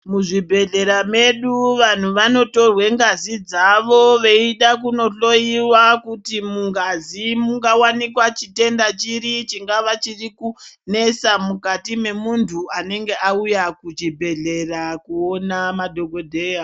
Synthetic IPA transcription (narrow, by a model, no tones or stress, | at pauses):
muʐibʱe̞ɮe̞ɾame̞ɗuʋan̤uʋano̞to̞rwe̞ŋɡazid͡zaʋo̞ʋe̞iɗakuno̞ɬo̞iwakutimuŋɡazimuŋɡawanikwat͡ʃite̞ndat͡ʃiɾit͡ʃiŋɡaʋat͡ʃirikune̞samukatime̞muntʰuane̞ŋɡe̞aujakut͡ʃibʱe̞ɮe̞rakuonamadʱo̞ɡo̞dʱe̞ːja